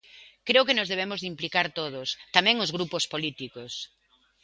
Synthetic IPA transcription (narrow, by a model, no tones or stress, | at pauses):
kɾeʊkenʊzðeβ̞emʊzðimplikaɾt̪oð̞ʊst̪amɛ̃ŋʊzɣɾupospolit̪ikos